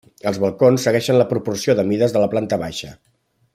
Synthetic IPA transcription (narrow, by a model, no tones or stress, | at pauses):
əlˠzβəlˠkonsːəɣɛʃənləpɾupursioðəmiðəzðələplant̪əβaʃə